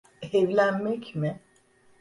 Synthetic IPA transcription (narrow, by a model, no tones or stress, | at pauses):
ɛvlʲænmɛcmɪ